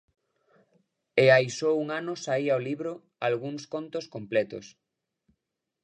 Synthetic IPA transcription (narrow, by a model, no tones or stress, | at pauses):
eajsouŋanʊsaiaoliβɾʊ | alɣuŋskont̪oskomplɛt̪o̰s